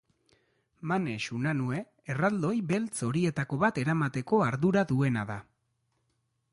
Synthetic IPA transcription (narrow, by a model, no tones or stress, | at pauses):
mane̞ʃunanue̞ː | rald̪o̞jβe̞lt͡so̞ɾie̞t̪ako̞βat̪e̞ɾamat̪e̞ko̞aɾðuɾaðue̞na̰ða